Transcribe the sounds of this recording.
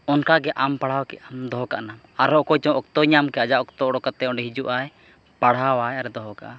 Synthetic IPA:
ɔnkaɡɛʔampaɽ̤awkɛ̰ʔamd̪ɔɦɔka̰ʔnam | aɾɔʔkɔjt͡ʃɔ̃ʔɔkt̪ɔɲamkɛʔad͡ʒaʔɔkt̪ɔɔɽɔkat̪ɛɔɖɛɦid͡ʒuʔaj | paɽ̤awajaɾɛd̪ɔɦɔka̰ʔa

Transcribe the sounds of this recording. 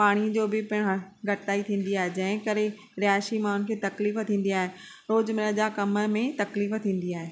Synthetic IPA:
paːɽ̃ĩd͡ʑoːbɪpɪɽ̃ɡʱɐʈt̪aːit̪ʰĩːn̆d̪iaːɦed͡ʑɐ̃ɦɪ̃kɐɾe | ɾɪaːʃimãʊnɪ̆kʰeːt̪ɐkliːft̪ʰĩːn̆d̪iaːɦe | ɾoːd͡ʑmɪɾəd͡ʑakɐməmẽt̪ɐkliːft̪ʰĩːn̆d̪iaːɦeː

